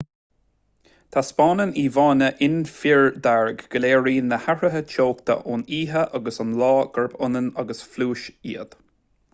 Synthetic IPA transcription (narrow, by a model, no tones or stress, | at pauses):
t̪ʰaspɑːnəniːvɑːnəʔɪnfiɹd̪aɹɡɡəleːɹiːnəhaɹəɦət͡ʃʰoːkt̪ʰə̰ʔuniːɦəʔaɡəsɑnlɑːɡ̥əɹbʊnənaɡəsfluːʃḭːəd̪̥